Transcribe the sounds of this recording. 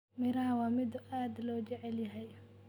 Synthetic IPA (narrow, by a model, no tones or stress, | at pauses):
mɪɾɐɦɐwɑːmɪd̪ʊʔaːd̪lɔːt͡ʃɛʕɛljɐɦɛj